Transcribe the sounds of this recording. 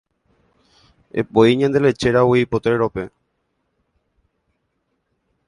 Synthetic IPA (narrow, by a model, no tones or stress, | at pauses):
ḛpoiɲẽnd̪elet͡ʃeɾawiipot̪ɾeɾope